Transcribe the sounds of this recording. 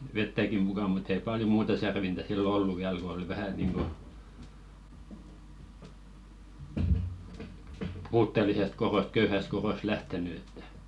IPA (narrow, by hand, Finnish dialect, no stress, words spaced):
ʋetːæki mukɑ mut ei pɑljo muːtɑ særʋintæ silːo olːu ʋiæl ko oli ʋæhæ niːŋɡ̊o puːtːelisest koɾost køyhæst koɾost læhteny etːæ̥